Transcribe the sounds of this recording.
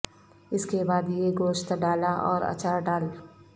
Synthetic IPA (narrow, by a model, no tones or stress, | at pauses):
ɪskebaːd̪jeɡoːʃt̪ɖaːlaʔɔ̰ːɾɐ̰t͡ʃaɖaːl